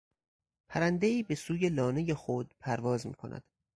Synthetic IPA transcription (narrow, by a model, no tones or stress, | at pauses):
pʰæɾænd̪e̞iːbe̞suːje̞lɒːne̞je̞xod̪̥̚pʰæɾvɒːzmḭːkʰo̞nʔæ̰d̪̥